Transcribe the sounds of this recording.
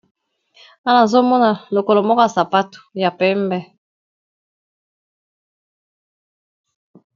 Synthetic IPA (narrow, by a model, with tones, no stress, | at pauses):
a˦la˨zo˦mɔ˦na˨lo˨ko˨lo˨mɔ˦kɔ˦a˨sa˨pa˦tu̥˨ja˨pɛ˦mbɛ˦